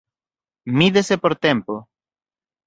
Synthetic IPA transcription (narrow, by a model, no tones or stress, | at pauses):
miðesepoɾt̪empo